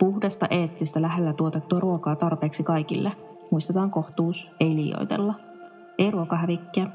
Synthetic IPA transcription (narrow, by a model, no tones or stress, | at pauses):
puhdest̪ɑ̰ʔeːt̪ːist̪ælæɦelːæt̪uot̪et̪ːuɑɾuokɑːt̪ɑrpeːksikɑjkḭlːʔe | muist̪et̪ɑːŋko̞ht̪uːse̞jliːjo̞̰jt̪e̞̰lːɑ | e̞jruokɑɦæʋikːeː